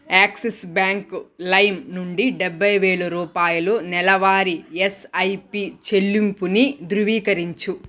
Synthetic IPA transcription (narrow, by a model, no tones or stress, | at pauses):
aːksesbaːŋklɐjmnuɳɖiɖɛbʱːɐjʋeːɭɐɾuːpaːjulunɛlɐʋaːɾiesɐjpit͡ʃe̞ɭːimpunid̪ɾuʋiːkɐɾiɲt͡ʃu